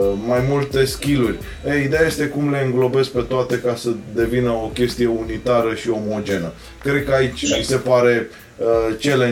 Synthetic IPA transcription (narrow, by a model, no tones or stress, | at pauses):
majmult̪e̞skʲilurʲ | eid̪e̞jaje̞st̪e̞kumle̞ɨŋɡlo̞be̞s̚pe̞t̪oat̪e̞kasəd̪e̞vinəokʲe̞st̪ije̞unit̪aɾəʃio̞mo̞d͡ʒe̞nə | kɾe̞d̪̚kəait͡ʃʲmise̞paɾe̞ | t͡ʃe̞le